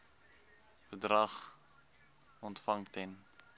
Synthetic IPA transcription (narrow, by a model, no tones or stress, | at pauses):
b̥ədrɐχ | ɔntfɐŋtɛn